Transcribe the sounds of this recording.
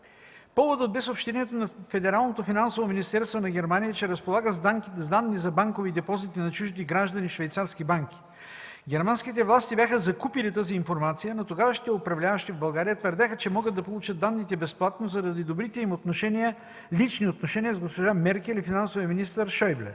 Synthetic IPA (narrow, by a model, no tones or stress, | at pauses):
pɔvod̪ət̪̚bɛsopʃt̪ɛniɛt̪onɐfɛd̪ɛɾalˠnot̪ofinansovominist̪ɛɾst̪vonɐɡʲɛɾmanijət͡ʃɛɾɐspolˠaɡəzd̪anzd̪anːizɐbaŋkovid̪ɛpɔzit̪inɐt͡ʃuʒd̪iɡɾaʒd̪ɐnifʃvɛjt̪saɾskibaŋkʲi̥ | ɡʲɛɾmanskʲit̪̬ɛvlˠast̪ibʲaxəzɐkupilit̪aziːnfoɾmat̪sijənot̪oɡavəʃi̥t̪ɛopɾɐvlʲavəʃt̪ivbɐlˠɡaɾijət̪vəɾd̪ʲaxət͡ʃɛmɔɡəd̪ɐpolˠut͡ʃət̪̚d̪anːit̪ɛbɛsplˠat̪nozɐɾɐd̪id̪obɾit̪ɛimot̪noʃɛnijə | lit͡ʃniot̪noʃɛnijəzɡospoʒamɛɾkɛlifinansovijəminist̪əɾʃɔjblɛ̰